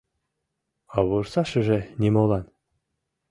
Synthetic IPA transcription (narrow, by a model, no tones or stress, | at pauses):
ɑβursɑʃɘ̆ʒenʲemolˠɑn